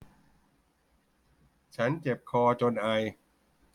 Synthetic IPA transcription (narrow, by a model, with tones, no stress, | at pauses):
t͡ɕʰa˦˥nt͡ɕe˨˩p̚kʰɔː˧t͡ɕo˧nʔa˧j